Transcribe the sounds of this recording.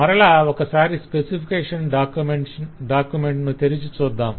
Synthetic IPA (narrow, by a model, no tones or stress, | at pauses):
mɐɾɐɭaːokːɐsaːɾispesipʰikeːʂɐnɖaːkumeɳʈɖaːkjumeɳʈnut̪eɾit͡ʃut͡ʃuːd̪ːaːm